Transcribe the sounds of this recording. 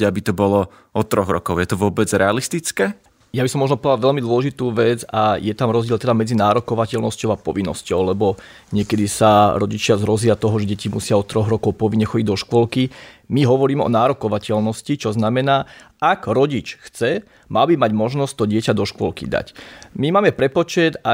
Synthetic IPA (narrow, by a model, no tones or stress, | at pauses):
abit̪ɔbɔlɔ | ɔt̪ɾɔɣɾɔ̰kɔʊjɛt̪ɔʋʊɔbɛd͡zɾɛalist̪it͡skɛː | jabisɔmːɔʒnɔpɔʋd̪aʋɛʎmid̪wɔlɛʒit̪uːʋɛd͡zajɛt̪amɾɔzɟɪɛlt̪ɛd̪amɛd͡zinaːɾɔkɔʋacɛlnɔscɔʊapɔʋinːɔ̰scɔʊlɛbɔ | ɲɪɛkɛd̪isaɾɔɟit͡ʃɪazɾɔzɪat̪ɔɦɔʒɛɟɛcimusɪaɔt̪ːɾɔɣɾɔkɔʊpɔʋiɲɲɛxɔɟiɟd̪ɔʃkʋɔlki | miɦɔʋɔɾiːmɛɔ̰naːɾɔkɔʋacɛlnɔscit͡ʃɔznamɛnaː | aɡɾɔɟit͡ʃxt͡sɛ | malbimaɟmɔʒnɔsct̪ɔɟɪɛcad̪ɔʃkʋɔlkḭd̪a̰cmimaːmɛpɾɛpɔt͡ʃɛt̪a